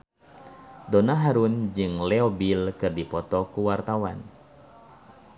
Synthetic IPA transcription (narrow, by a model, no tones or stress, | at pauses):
donaɦaɾund͡ʒɨŋlɛobilkɨrdipɔt̪ɔkuwart̪awa̰n